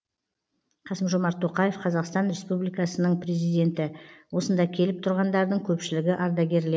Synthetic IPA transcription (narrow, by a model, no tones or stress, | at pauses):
qʰɑsəmʒomɑɾt̪ʰːo̞qɑje̞fqʰɑzɑqst̪ɑnɾʲe̞spublijkɑsənəɴpre̞zijd̪e̞nt̪ɪwo̞sənd̪ɑkʲʰe̞lɪp̚t̪ʰʊɾʁɑnd̪ɑɾd̪əɴkʲʰɵpʃɪlɪɡʲɪʔɑɾd̪ɑɡʲe̞ɾle